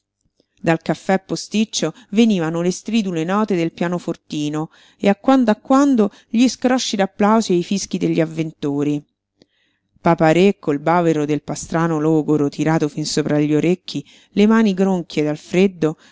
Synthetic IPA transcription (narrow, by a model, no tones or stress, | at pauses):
d̪alkafːɛpːost̪it͡ʃːo | veniːvanolest̪ɾiːd̪ulenɔːt̪ed̪elpjaːnofort̪iːno | eakːwand̪oakːwand̪o | ʎiskɾɔʃːid̪apːlawziaifisk̟id̪eʎːiavːent̪uːɾi | papaɾekːoilbaːveɾod̪elpast̪ɾaːnolɔːɡoɾot̪ʰiɾaːt̪ofinsoːpɾaʎːioɾekːi | lemaːniɡɾoŋkʰjed̪alfɾed̪ːo